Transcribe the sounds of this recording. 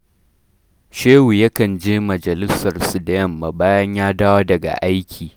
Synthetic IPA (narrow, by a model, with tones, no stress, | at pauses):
ʃeː˦wu˨jɐ˦kɐ˨nd͡ʒeː˦mɐ˨d͡ʒɐ˨lɪ˦sɐ˨rsu˨dɐ˦jɐ˦mːa˨baː˦jɐ˦ɲjaː˦daː˦waː˦dɐ˨ɡa̰˨ʔa˦jkʲʰiː˨